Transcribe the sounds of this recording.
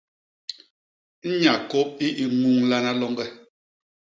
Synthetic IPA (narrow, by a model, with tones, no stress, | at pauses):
n̩˦ɲa˨ko˦p̚i˦ʔi˨mu˦˨ŋla˦na˦lɔ˦ŋɡɛ˦